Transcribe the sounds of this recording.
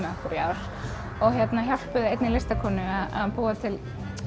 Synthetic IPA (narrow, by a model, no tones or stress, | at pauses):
makuɾjaːwɾ̥ | ɔɣçjɛt̪naçar̥pʏðɪejt̪nɪlest̪akʰɔːnʏaða̰ðpuːat̪ʰɪl